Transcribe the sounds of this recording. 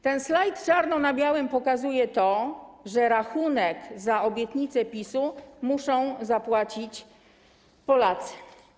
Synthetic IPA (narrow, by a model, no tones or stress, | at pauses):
t̪ɛnslajt̪t͡ʂaɾnɔnabʲjawɘmpɔkazujɛt̪ɔʐɛɾaxunɛkzaɔbʲjɛt̪ɲit̪sɛpʲisumuʂɔ̃w̃zapwat͡ɕit͡ɕ | pɔlat̪sɛ̥